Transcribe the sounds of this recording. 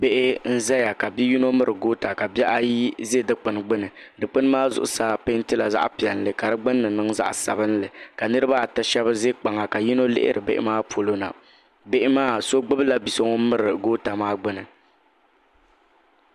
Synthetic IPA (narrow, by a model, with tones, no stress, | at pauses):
be˦ʔɪ˦n̩˦za˦ja˨ka˨bi˦ji˦no˦mɨ˦ɾɨ˨ɡo˦ta˨ka˨bjɛ˦ʔa˦ji˦ze˦dɨ˦k͡pɨ˨n˨ɡ͡bɨ˦nɨ˨dɨ˨k͡pɨ˦n˦maː˦zʊ̰˦˨ʔʊ̰˦sa˦pe˦ntɨ˦la˨za̰˦ʔpi˨ɛ˨n˨lɨ˨ka˨ɾɨ˦ɡ͡bɨ˦nːɨ˨nɨ˦ŋza̰˦ʔsa̰˨βɨ˦nlɨ˨ka˨nɨ˦ɾɨ˦ba˦˨tɨ˦ʃɛ˦βɨ˦ze˦k͡pa˨ŋa˨ka˨ji˦no˦lɪ̰˦ʔɪ̰˦ɾʔɨ˨bḛ˦ʔɪ̰˦maː˦po˨lo˦na̰˨ | be˦ʔɪ˦maː˦so˦ɡ͡bɨ˦bɨ˦la˦bi˨so˦ŋo˦mɨ˦ɾɨ˨ɡoː˦ta˨maː˦ɡ͡bɨ˦nɨ˨